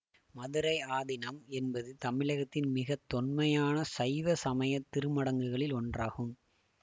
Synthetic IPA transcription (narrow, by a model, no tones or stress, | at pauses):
mɐðɯɾɐɪaːðɪnɐmɛnbɐðɯt̪ɐmɪɭɐɣɐt̪ːɪnmɪɣɐt̪ːɔnmɐjaːnɐsɐɪʋɐsɐmɐjɐt̪ːɪɾɯmɐɽɐŋɡɯɣɐɭɪlɔndraːɣɯm